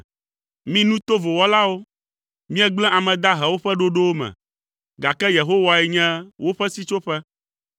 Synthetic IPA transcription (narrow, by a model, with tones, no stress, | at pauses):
mĩ˦nũ˦t̪o˦vo˨wɔ˦la˦wo˦ | mĩ˦ɛ˦ɡ͡blɛ̃˦a˨mɛ̃˨d̪a˦ɦɛ˨wo˦ɸɛ˦ɖo˦ɖo˦wo˦mɛ̰̃˨ | ɡa˨kɛ˦je˨ɦo˦wa˨ɛ˨ɲɛ̃˦wo˦ɸɛ˦si˦t͡ʃo˦ɸɛ˦